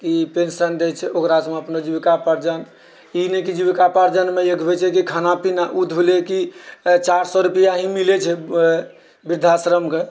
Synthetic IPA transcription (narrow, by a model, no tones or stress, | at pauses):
kipensənd̪ɛt͡ʃʰɛokɾasmeəpnod͡ʒubikapəɾd͡ʒən | inekid͡ʒuβikapəɾd͡ʒənmeekbet͡ʃʰɛkikʰanapinaʔut̪ʰbʱulekit͡ʃaɾsɔɾupijaɦĩmilet͡ʃʰɛ | biɾd̪ʱasɾəmke